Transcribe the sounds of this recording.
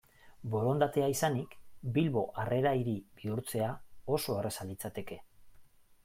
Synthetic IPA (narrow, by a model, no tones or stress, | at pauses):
bo̞ɾo̞nd̪at̪e̞aisanikbilβo̞ʔare̞ɾaiɾibiuɾt͡se̞ao̞so̞ere̞salit͡sat̪e̞ke̞